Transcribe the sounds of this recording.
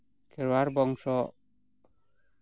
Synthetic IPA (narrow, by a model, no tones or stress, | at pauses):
kʰɛɾwaɾbɔŋsɔ